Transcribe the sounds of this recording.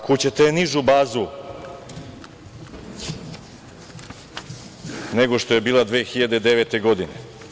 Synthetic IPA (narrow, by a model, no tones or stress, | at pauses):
kut͡ɕet̪eeniʒubaːzu | neɡo̞ʃt̪o̞jebiːlˠad̪ʋeːxiʎad̪e̞d̪eʋet̪e̞ɡo̞d̪ine